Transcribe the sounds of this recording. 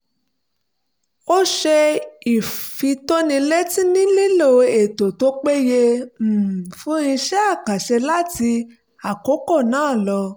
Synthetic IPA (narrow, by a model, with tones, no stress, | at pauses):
o˦ʃɛ˧i˨fi˧to˦nĩ˧le˦ti˦nĩ˦li˦lo˦˨e˨to˨to˦k͡pe˦je˧˨ | fũ˦ĩ˧ʃɛ˦a˦˨ka˨ʃɛ˧la˦ti˧ | a˨ko˨˦ko˦˨nãː˨˦˨lɔ˧